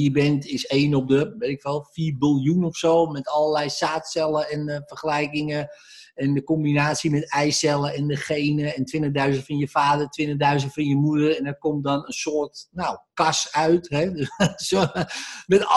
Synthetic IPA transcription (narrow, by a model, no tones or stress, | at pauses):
jəbɛntɪseːnɔp̚dəʋetɪkʋɛlˠfiːrbɪlˠjunɔfsoːmɛtɔlˠəlɛjsaːtsɛlˠəɛnəfərxəlɛjkɪŋə | ɛndəkombinaːtsimɛtɛjsɛlˠəɛndəχejnəɛntʋɪntəχdœɥzəntfɑnjəfaːdərtʋɪntəχdœɥzəntfɑnjəmudərɛndɛrkɔm̚dɔnənsʊːrtnawkɑsœɥtɦɛsomɛt